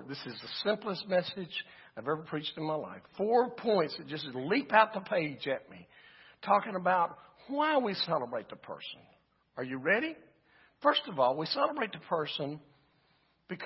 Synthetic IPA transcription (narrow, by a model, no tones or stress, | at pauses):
ðɪsɨzɨsɪ̃mpləsmɛsɪd͡ʒ | aɪvɛvə˞pʰɹ̥it͡ʃtɨ̃n̩maɪla̰ɪfɔɹpʰɔ̃ɪ̃ntsɨt̚d̥ʒ̥ʌs̬lipaʊt̪̚ðəpʰeɪd͡ʒɨt̚mi | tʰɔkɪ̃ŋəbaʊt̚ | waɪwisɛlˠəbɹeɪt̪̚ðəpʰɜ̰˞sə̃n̩ | ə˞jɨɹɛɾi | fɜ˞stʌvɔlˠwisɛlˠəbɹeɪt̪̚ðəpʰɜ˞sə̃n | b̥ɨkʰ